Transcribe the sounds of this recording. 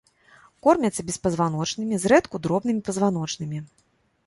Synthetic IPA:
kɔrmʲɐt̪sːɐbʲɛspɐzvanɔt͡ʂnɨmʲizɾɛt̪kud̪ɾɔbnɨmʲipɐzvanɔt͡ʂnɨmʲi

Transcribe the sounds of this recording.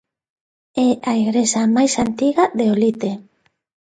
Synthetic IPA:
ɛʔaiɣɾesamajsant̪iɣaðeolit̪e

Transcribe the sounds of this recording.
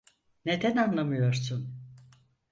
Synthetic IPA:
ned̪ɛnanlˠamɯjo̞ɾsun

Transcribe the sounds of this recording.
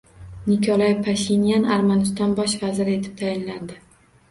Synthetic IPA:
nɪkʰɒlˠajpʰaʃinjanaɾmanɪst̪ɒnbɒʃvazɪɾɪe̞t̪ʰɪp̚t̪ʰajɪnland̪ɪ

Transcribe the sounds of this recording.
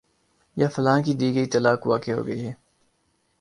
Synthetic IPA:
jaːfɐlaːkid̪iːɡəit̪ɐlaːkʋaːkeɦo̰ːɡəiɦɛː

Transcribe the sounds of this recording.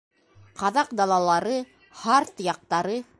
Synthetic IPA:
qɑðɑqd̪ɑlˠɑlˠɑɾɤ | hɑɾt̪jɑq̚t̪ɑɾɤ

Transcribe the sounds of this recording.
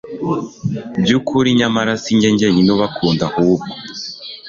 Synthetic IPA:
bjukuɾiɲamaɾasiɲɟeɲɟeɲinuβakʰuːndahubɡo

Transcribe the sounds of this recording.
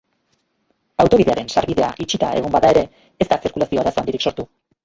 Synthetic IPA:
awt̪o̞βiðe̞aɾe̞nsa̰ɾβiðe̞a̰ʔit͡ʃit̪ae̞ɣ̞ombaðae̞ɾe̞ː | st̪asiɾkulasio̞aɾasoand̪iɾikso̞ɾt̪u

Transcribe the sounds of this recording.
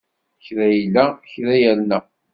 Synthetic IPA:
çɾæjlːæçɾæjælnæ

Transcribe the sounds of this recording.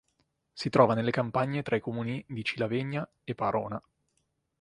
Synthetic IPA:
sit̪ɾɔːvanelːekampaɲːet̪ɾaikomuːnid̪it͡ʃilaveɲːa | epːaɾoːna

